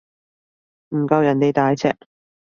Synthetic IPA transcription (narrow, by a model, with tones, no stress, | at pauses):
m̩˨˩kɐ˧wjɐ˨˩ne˨˧jt̪aː˨˥jt͡sʰɛ̰ː˧˥k̚